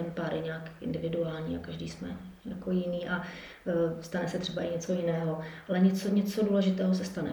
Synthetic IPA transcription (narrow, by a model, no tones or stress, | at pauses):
ɛmpaːɾɛɲaːkʔɪ̰ndɪvɪduaːlɲḭːakaʒdiːsmɛ̰jakojɪniːʔa | st̪anɛsɛt̪r̥ɛbaʔɪɲɛt͡so̞jɪnɛːɦo̞ʔalɛɲɛt͡soɲɛt͡so̞duːlɛʒɪt̪ɛːɦos̬ɛst̪anɛ̰